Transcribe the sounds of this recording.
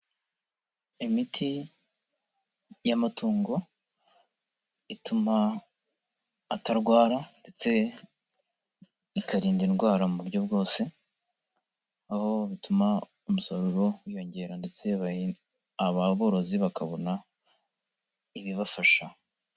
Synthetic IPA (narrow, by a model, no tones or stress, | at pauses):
imitʰi | jamatʰuːŋɡo̞ | ituma | taɾɡwaːɾande̞t͡se̞ | ikaɾiːndinɡwaːɾamuβuɾɟo̞bɡo̞ːse̞ | aho̞βituma | umusaɾuɾo̞wijo̞ɲɟe̞ɾande̞t͡se̞β | aβaβo̞ɾo̞ziβakaβo̞na | iβiβafaʃa